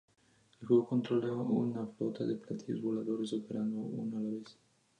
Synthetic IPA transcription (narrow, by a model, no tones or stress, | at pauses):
kuokont̪ɾolaaunaflot̪ʰaðeplat̪ʰiozβolaðoɾesopeɾand̪oṵnalaβes